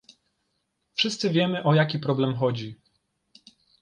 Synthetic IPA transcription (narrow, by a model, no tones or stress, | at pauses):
fʂɘst̪sɘvʲjɛmɘʔɔjakʲipɾɔblɛmxɔd͡ʑi